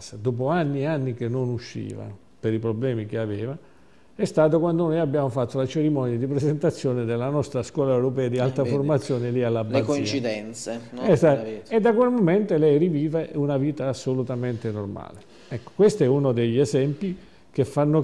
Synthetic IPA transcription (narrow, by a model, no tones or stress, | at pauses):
sad̪oːp̬oanːianːikenːonuʃːḭːva̰ | peɾipɾoblɛːmik̟eaveːva | ɛst̪aːt̪̬okwand̪onoːjabːjaːmofat̪ːolat͡ʃeɾimɔnjad̪ipɾesent̪at̪sːjoːned̪elːanɔst̪ɾaskwɔːlaewɾopɛːad̪ialt̪aformat̪sːjoːnelialːabakoit͡ʃid̪ɛnt̪seɛsaed̪ːakwelmoment̪olɛjriviːveunaviːt̪aːsːolut̪ament̪enorma̰ːle | ɛkːo̥kwest̪ɛunod̪eʎːezɛmpi | k̟efːanːo